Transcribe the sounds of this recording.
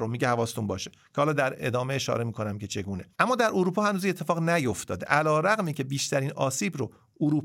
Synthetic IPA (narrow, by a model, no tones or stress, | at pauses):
omiːɟehævɒːst̪unbɒːʃeccʰehɒːlɒːd̪æɾe̞̰d̪ɒːmeeʃɒ̰ːɾe̞miːkʰo̞næmcʲʰe̞t͡ʃʰe̞ɡuːne̞ʔæmːɒːd̪æɾoɾuːpʰɒːhænuːzinet̪ʰːe̞fɒːɣnæjo̞ft̪ɒ̰ːd̪eʔælɒːɾæɣmiːcʰe̞biːʃt̪æɾiːnɒ̰ːsiːbɾo | oɾuːp